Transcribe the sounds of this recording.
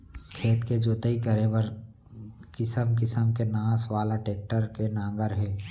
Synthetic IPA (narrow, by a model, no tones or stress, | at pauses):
kʰeːt̪ked͡ʒoːt̪əikɐɾeʋəɾ | kɪsəmkɪsəmkenãːswaːlaʈeːk̚ʈəɾkenãːŋɡəɾɦɛː